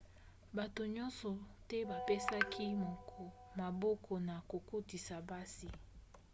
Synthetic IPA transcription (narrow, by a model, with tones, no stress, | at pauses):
ba˨to˨ɲɔ̃˦nsɔ˨tɛ˦ba˨pe˦sa˦kʰi˦m˨ | ma˨bɔ˦kʰɔ˨na˨ko˨ko˦ti˨sa˨ba˦si˨